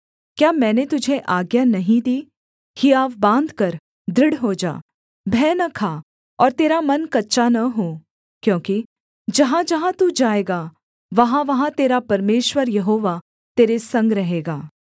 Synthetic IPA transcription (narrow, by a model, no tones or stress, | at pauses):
kjaːmɛ̃ːnet̪ʊd͡ʒʱeʔaːɡjanɐɦĩd̪iː | hijaːʋbãːnd̪ʱkɐɾ | d̪ɾɪɽɦoːd͡ʒa̰ː | bʱɛːnɐkʰaː | ɔːɾt̪eːɾamɐnkɐtːʃanɐɦoː | kjõːki | d͡ʒɐɦãd͡ʒɐɦãt̪ud͡ʒaːeːɡaː | ʋɐɦãʋɐɦãt̪eːɾapɐɾmeːʃwəɾjɐɦoːʋa | t̪eːɾesɐ̃ŋɡɾɐɦeːɡaː